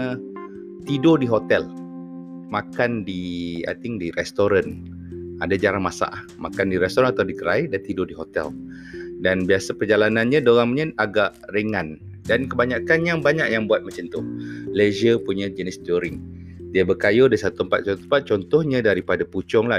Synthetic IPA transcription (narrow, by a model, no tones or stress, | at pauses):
t̪idʊdiɦot̪ɛl | makandia̰jt̪ɪŋdiɾɛst̪oɾan | adad͡ʒaɾaŋmasa̰ʔmakandiɾɛst̪ɔɾanat̪awdik̪əɾaidat̪idʊdiɦot̪ɛ̰l | danbiasapərd͡ʒalananɲãdoɣaŋmɲanaɡaʔrəŋan | dankəbaɲakanjaŋbaɲaʔjaŋbuat̪̚mat͡ʃant̪ʊlezəpuɲãd͡ʒənist̪iuɾɪŋdiəbəkajodasat̪uəmpat̪̚t͡ʃɔt̪uumpat̪̚t͡ʃɔnt̪ɔhɲãdaɾipadaput͡ʃɔŋla